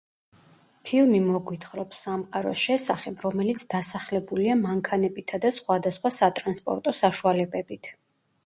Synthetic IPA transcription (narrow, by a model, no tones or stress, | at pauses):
pʰilˠmimɔɡwit̪ʰχɾɔpsːamqʼaɾɔ̰ʃɛsaχɛbɾɔmɛlit̪sʰd̪asaχlɛbuliamaŋkʰanɛbit̪ʰad̪asχwad̪asχwasat̪ʼɾanspʼɔ̰ɾt̪ʼɔsaʃualɛbɛbit̪ʰ